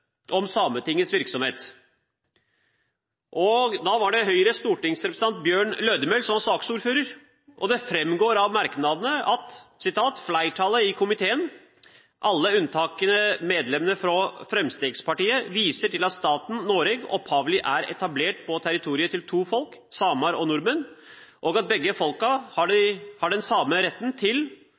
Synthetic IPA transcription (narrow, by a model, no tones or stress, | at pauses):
ʔɔmsɑmət̪ɪŋːəsʋɪɾksɔmheːt̪ | ʔɔɡd̪ɑːʋɑɖɛɦœʏɾəst̪uːʈɪŋsɾɛpɾəsəɑnt̪̚bjøːɳløːd̪əmɛlsɔmɑsɑːksuːɾføːɾəɾ | ʔɔd̪ɛfɾɛmɡoːɾɑʋmɑɾknɑd̪ənəɑt̪sɪt̪ʰɑːt̪flæɪʈʰɑlːəɪkʰʊmɪt̪ʰeːən | ʔɑlːəʉnt̪ʰɑːkənəmeːd̪lɛmənəɾfɾɔfɾɛmst̪eːɡspɑʈiːəʋiːsəʈɪlɑt̪st̪ɑːt̪n̩noːɾɛɡɔ̰phɑːʋlɪʔæɾɛ̰t̪ɑbleːʈ̚pʰɔt̪ʰæɾɪt̪ʰuːɾɪət̪ʰɪlt̪ʰuːfɔlksɑːmɑɾɔnʊɾmənʔɔɡɑt̪̚bɛɡːəfɔlkɑhɑɖɪhɑɖɛnsɑːmːəɾɛt̪ːnt̪ʰɪl